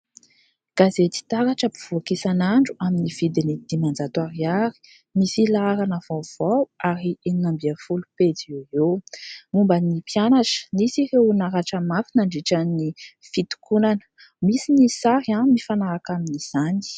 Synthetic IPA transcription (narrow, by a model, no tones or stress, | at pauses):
ɡ̥azet̪i̥t̪aɾaʈ͡ʂəpiv̥oakisanaɳɖ͡ʐuaminiv̥id̪inid̪̥imand͡zat̪waɾiaɾi̥ | misilaaɾanəv̥av̥awaɾiininambiafuluped͡zieewmumbənipjanaʈ͡ʂə̥nisiɾewnaɾaʈ͡ʂəmafinaɳɖ͡ʐiʈ͡ʂannifit̪u̥kunan | misinisaɾiamifanaɾakaminiz̥ani̥